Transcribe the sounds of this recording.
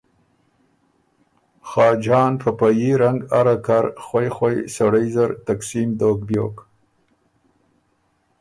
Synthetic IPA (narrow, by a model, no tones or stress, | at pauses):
xɑːd͡ʒɑːnpəpajiɾaŋɡaɾakaɾxwajxwajsaɽajzaɾt̪aksimd̪oːkbjo̰ːk